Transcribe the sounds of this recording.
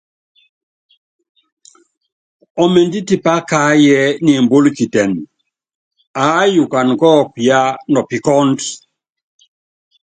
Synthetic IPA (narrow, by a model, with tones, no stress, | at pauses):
ɔ˨me˨ndi˦ti˨pa˦ka˦jɛ˦ni˨mbo˦lki˨tɛ˨n | aː˨˦ju˨ka˨n˨kɔ˦ki˨a˦nɔ˨pi˨kɔ˦nd